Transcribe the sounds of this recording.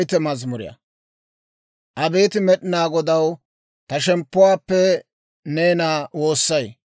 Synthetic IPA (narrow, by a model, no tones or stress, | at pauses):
jt̪ɛmɐzmʊɾɪ̰jɐ̰ | ʔɐbeːt̪ɪmɛɗɪnaːɡɔd̪ɐw | t̪ɐʃɛmpːʊwaːpːɛ | neːnaːwo̞ːsːɐj